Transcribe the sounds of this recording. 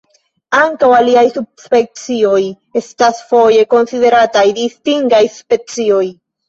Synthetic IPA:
aŋkawaliajsub̚spe̞k̚t͡sio̞j | e̞stasfo̞je̞ko̞nsiðe̞ɾatajdistiŋɡajspe̞t͡sio̞j

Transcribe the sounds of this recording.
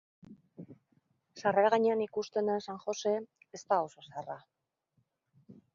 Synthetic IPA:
saraɾaɣaɲeanikust̪e̞nasaŋxo̞se̞ | est̪aoso̞seara

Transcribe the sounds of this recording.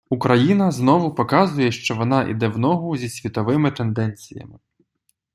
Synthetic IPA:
ukɾɐjinɐznɔʋʊpɔkɑzʊjɛʃt͡ʃɔʋɔnɑʔḭd̪ɛwnɔɦʊzʲisʲʋʲit̪ɔʋɪmɪt̪end̪ɛnʲt͡sʲijɐ̰mɪ

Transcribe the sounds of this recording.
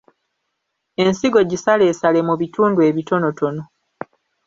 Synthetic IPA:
e̞nsiɡo̞ɟisale̞ːsalemuβituːndue̞βito̞no̞to̞no̞

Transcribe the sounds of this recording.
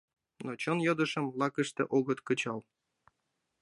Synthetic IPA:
not͡ɕɤnjɤd̪ə̆ʃə̆mlɑkə̆ʃt̪ḛʔoɣɤt̪kət͡ɕɑl

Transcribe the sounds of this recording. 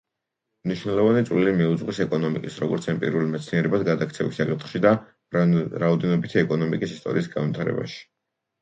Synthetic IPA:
mniʃwnɛlˠɔvanit̪sʼvlilimiud̪zʁwisɛkʼɔnɔmikʼisɾɔɡɔɾt̪sʰɛmpʼḭɾulimɛt̪sʰniɛɾɛbad̪ɡad̪akʰt̪sʰɛvisːakʼit̪ʰχʃid̪a | ɾaɔd̪ɛnɔbit̪ʰiɛkʼɔnɔmikʼisist̪ʼɔ̰ɾiːsɡanvwit̪ʰaɾɛ̰ba̰ʃi̥

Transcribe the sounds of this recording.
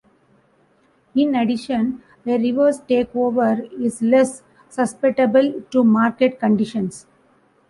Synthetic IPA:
ɪ̃neɖɪʃə̃n | d̪eɾiʋəɾsʈeːkoːʋəɾɪslɛsː | ʌspeʈɐbəlʈumaːɾkeʈ̚kə̃ɳɖɪʃə̃ns

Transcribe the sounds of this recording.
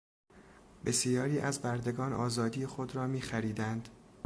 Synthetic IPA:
be̞sjɒːɾiːʔæzbæɾd̪e̞ɡɒːnʔɒːzɒːd̪iːjexod̪ɾɒːmiːxæɾiːd̪ænd̪̥

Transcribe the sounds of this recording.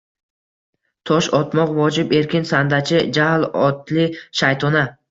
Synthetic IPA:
t̪ʰɒʃɒt̪mɒqvɒd͡ʒɪpe̞ɾkʲɪnsand̪at͡ʃʰɪd͡ʒahlɒt̪lɪʃajt̪ʰɒna

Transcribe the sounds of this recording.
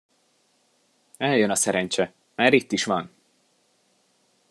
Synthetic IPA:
ɛljønɒsɛɾɛɲt͡ʃɛ | maːɾit̪ːiʃʋɒn

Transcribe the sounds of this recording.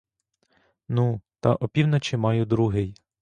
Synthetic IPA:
nut̪ɐʔɔpʲiwnɐt͡ʃɪmɑjʊd̪ɾuɦɪj

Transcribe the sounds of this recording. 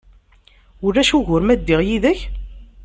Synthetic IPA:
ʊɾːæʃuʝʊɾmæd̪ːiʁjiðəç

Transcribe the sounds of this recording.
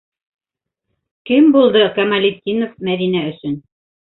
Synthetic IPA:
kɘmbulˠd̪ɤkɐmɐlʲit̪ʲːinofmæðinæɵ̆sɵn

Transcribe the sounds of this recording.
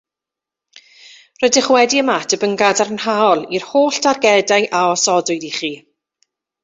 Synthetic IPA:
rɔjdɪχwɛdiəmatʰəbəŋɡadaɾənhaɔlˠirhoːɬd̥arɡɛdajʔaɔsɔdʊjdiχiː

